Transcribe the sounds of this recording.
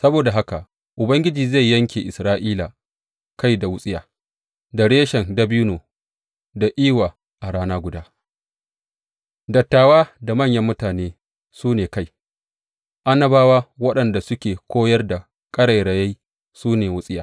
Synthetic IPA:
sɐ˦boː˨da˨ɦa˦ka˨ | ʔʊ˨bɐ˦ŋɡʲɪ˦d͡ʒiː˨za˦˨jːɐ˦ŋkʲḛ˨ʔɪ˨sɾaː˦ʔiː˦la˨ | ka˦jda˨wʊ˦sʼɪ˦jaː˨ | da˨ɽeː˦ʃɛ˨nda˨bi˦noː˨ | da˨ʔiː˦waː˨ | ʔa˨ɽaː˦naː˦ɡʷʊ˨daː˦ | dɐ˨tːaː˨waː˦da˨mɐ˦˨ɲjɐ˦mːʊ˦taː˨neː˦ | suː˦neː˨ka˦˨j | ʔa˦nɐ˦baː˦waː˦wɐ˦ɗɐ˨nda˨sʊ˦kʲeː˨kʷoː˦jɐ˦rda˨ | kʼɐ˦ɽa˨jɽɐ˨ja˦ | suː˦neː˨wʊ˦sʼɪ˦jaː˨

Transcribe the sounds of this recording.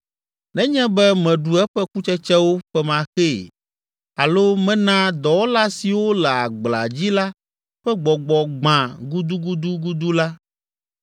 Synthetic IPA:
nɛ̃˦ɲɛ̃˦bɛ˦mɛ̃˨ɖu˨ɛ˦ɸɛ˦ku˦t͡ʃɛ˦t͡ʃɛ˦wo˦ɸɛ˦mã˨xe˦˨ | a˨lo˦mɛ̃˦nã˦d̪ɔ˨wo˦la˦si˨wo˦lɛ˨a˨ɡ͡bla̰˨d͡ʑi˦la˦ | ɸɛ˦ɡ͡bɔ˨ɡ͡bɔ˨ɡ͡bã˨ɡu˦d̪u˦ɡu˦d̪u˦ɡu˦d̪u˦la˦

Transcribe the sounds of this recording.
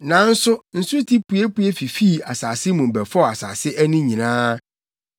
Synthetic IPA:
nã˨n̩˦sʊ˦n̩˨su˦tʰi˦pu˨˦e˦pu˦e˦fi˨fi˦˨a˨saː˨sɪ˦mũ˨m̩˨bæ˨fɔ˦˨a˨sa̰ː˨sɪ˦ʔæ˦nĩ˦ɲĩ˨nãː˦

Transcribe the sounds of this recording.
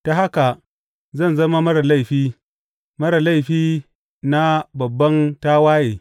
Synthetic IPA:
ta˨ɦa˦ka˨ | zɐ˦˨nzɐ˦ma˦mɐ˦ɽa˨la˦˨ɸiː˦ | mɐ˦ɾa˨la˦˨jɸiː˦ | na˦bɐ˨bːɐ˦ntaː˦waː˦jeː˨

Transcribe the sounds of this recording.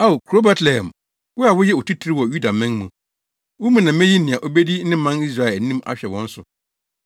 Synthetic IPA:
a˦˨o˨kʰu˨ɾo˦bɛ˦tʰlɛ˨hɛ̃˨m | wʊ˦a˨wʊ˦jɛ˦˨o˨tʰi˦tʰɾɪ˦wɔ˨ju˦da˨mɪ̃˦ŋmũ˨ | wʊ˦mũ˨nã˨˦mɛ̃˦ji˦nɪ̃˨ã˨ʔo˦be˦di˦nɪ̃˦mã˦ni˦s̬ɾa˨ɛ˨nĩ˦ma̰˨ɕᶣɛ˨wɔ̃˦n̩˦sʊ˨

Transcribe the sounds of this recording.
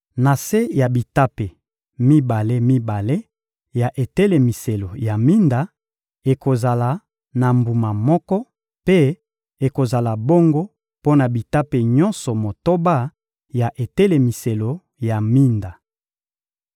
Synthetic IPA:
na˨se˦ja˨bi˨ta˦pe˨ | mi˦ba˨le˦mi˦ba˨le˦ | ja˨ʔe˨te˦le˨mi˨se˨lo˨ja˨mi˦nda˨ | e˨ko˨za˨la˨ | na˨mbu˨ma˨mɔ˦kɔ˦ | pe˦ | e˨ko˨za˨la˨bo˦ŋɡo˦ | po˦na˨bi˨ta˦pe˨ɲɔ˦nsɔ˨mo˨to˦ba˦˨ | ja˨ʔe˨te˦le˨mi˨se˨lo˨ | ja˨mi˦nda˨

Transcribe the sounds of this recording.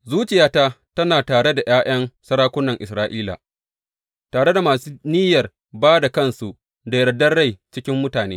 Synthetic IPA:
zuː˦t͡ʃɪ˨jaː˦ta˦tɐ˦naː˨taː˨ɽe˦da˨j̰aː˦j̰ɐ˦nsɐ˦ɾaː˦kʷʊ˦nːɐ˨ŋʔɪ˨sɾaː˦ʔiː˦la̰˨ | taː˨ɽe˦da˨maː˨suː˦niː˦jɐ˨r | baː˦da˨kɐ˦nsu˨ʔ | da˨jɐ˨ɾɐ˨dɐ˦rɽa˦˨jt͡ʃɪ˦kʲɪ˦mːʊ˦taː˨neː˦

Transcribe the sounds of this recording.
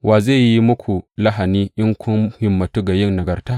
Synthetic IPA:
wʔaː˨ze˦˨ji˦mʊ˦kʰʷu˨la˦ɦa˨niː˦ʔɪ˦ŋkʷʰʊ˦nhɪ˨mːɐ˨tu˦ɡa˨jɪ˦ŋnɐ˨ɡɐ˨rta˦

